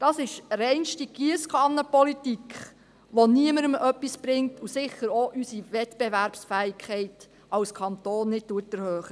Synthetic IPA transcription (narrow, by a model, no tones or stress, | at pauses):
d̥ɑsɪʃɾɛɪnʃtiɡ̥iəskʰɑnəpɔlitikʰχ | ʋoniəməɾəmœpːisb̥ɾɪŋtusɪχəɾoʔysiʋɛtb̥ɛʋæɾpsfæːɪkχɛɪt | ɑwskʰɑntoːnːɪt̚tuətəɾhøːχə